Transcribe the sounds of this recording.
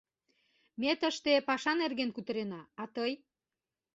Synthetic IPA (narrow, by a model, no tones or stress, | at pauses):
met̪əʃt̪epɑʃɑnerɣenkut̪əɾenɑːt̪əj